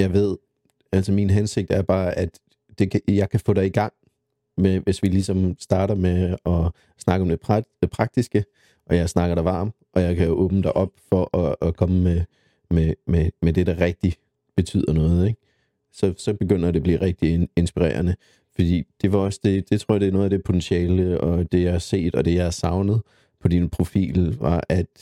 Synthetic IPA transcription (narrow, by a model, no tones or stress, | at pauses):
jɑ̈ɪʋe̝ð̞̰ˠ | ælsəminɦænse̝ɡ̥̚d̥æɐb̥ɑ̈ːæd̥ː | e̝kʰjɑ̈ɪkʰæfɔ̰ːɾ̥ɑiɡ̥ɑ̈ŋ̰ | meʋe̝sʋilisɒ̽msd̥ɑ̈ːɾɐmeɒ̽ | snɑ̈ɡ̥əɒ̽md̥e̝pʰpʰʁɑ̈ɡ̥̚d̥isɡ̥ə | ʔɒ̽jɑ̈ɪsnɑ̈ɡ̥ɐɾɑ̈ʋɑ̰̈ːm | ʔɒ̽jɑ̈ɪkʰæjo̝ʔɔ̽ːb̥nəd̥æʔɒ̽b̥fɒ̽ʔɒːkʰɒ̽məme | mememed̥e̝ɾɑ̈ʁɛɡ̥̚d̥i | b̥e̝t͡sʰy̰ð̰ˠɐnɔ̽ːð̩ˠeɡ̥̚ | sɒ̽sɒ̽b̥e̝ɡ̥øn̰ɐd̥e̝blḭːʁeɡ̥̚d̥ie̝nsb̥iʁḛːɐnə | fɒ̽d̥ḭːd̥e̝ʋɑ̈ɒ̽sd̥e̝d̥e̝t͡sʰʁo̝ɐ̰ɐɑd̥e̝nɔːðˠæd̥e̝pʰo̝t͡sʰensiɛːləɒ̽d̥e̝jɑhɑse̝̰ːd̥ɒ̽d̥e̝jɑ̈ɪhɑsɑ̈ʊnəð̞̩ˠ | pʰɒ̽d̥inpʰʁo̝fḭːlʋɑ̈ʔæd̥